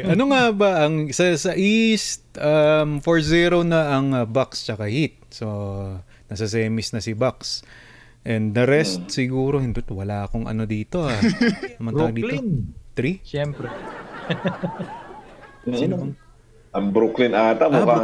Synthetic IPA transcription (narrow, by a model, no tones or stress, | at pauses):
ʔɐnoŋabaʔɐŋsɐsɐʔist̪̚amfoɹziɾonɐʔɐŋɐbakst͡ʃɐkahit̪̚so | nɐsɐs̬ɛːmɪsnɐsɪbaks | ʔɛnd̪d̪ɐɾɛst̪̚sɪɡuːɾohɪnd̪ɪt̪wɐlaːʔɐkoŋɐ̰no̞d̪iːt̪o̞anɐmɐŋɐd̪iːlnt̪ɾiʃɛmpɾɛ | inɐ | ʔɐŋbɾuklɪnaːt̪ɐmoka